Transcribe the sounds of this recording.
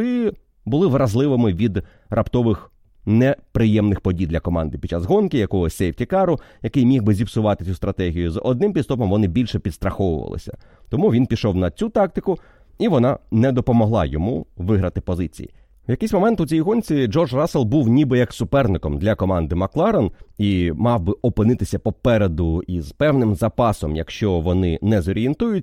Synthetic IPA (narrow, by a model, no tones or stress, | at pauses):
ɪ | bʊlˠɪʋɾɐzlˠɪʋɪmɪʋʲid̪ | rɐpt̪ɔʋɪx | nɛpɾɪjɛmnɪxpɔdʲijd̪lʲɐkɔmɑ̰nd̪ɪpʲd̥̪̚t͡ʃːazɦɔnkɪjɐkɔɦɔsʲejwtʲikɑɾʊjɐkɪjmʲixbɪzʲibsʊʋɑt̪ɪt͡sʲust̪ɾɐt̪ɛɦʲijʊzɔ̰d̪nɪmpʲid̪st̪ɔpɔmʋɔnɪbʲilʲʃɛpʲid̪st̪ɾɐxɔʋʊ̰ʋɐ̰lˠɪ̰sʲɐ̰ | t̪ɔmuʋʲinpʲiʃɔwnɐt͡sʲut̪ɑk̚t̪ɪkʊ | iʋɔnɑnɛd̪ɔpɔmɔɦlˠɑ̰jɔmuʋɪɦɾɐt̪ɪpɔzɪt͡sʲḭjḭ | wjɐkɪjsʲmɔmɛnt̪ʊt͡sʲɛjiɦɔnʲt͡sʲid͡ʒɔrʒrɑselˠbuwnʲibɪjɐksʊpɛrnɪkɔmd̪lʲɐkɔmɑnd̪ɪmɐklˠɑɾɔnimɑwbɪʔɔpɪnɪt̪ɪsʲɐpɔpɛɾed̪ʊizpɛwnɪmzɐpɑsɔmjɐ̰kʃt͡ʃɔʋɔnɪnɛzɔɾʲient̪ujʊtʲ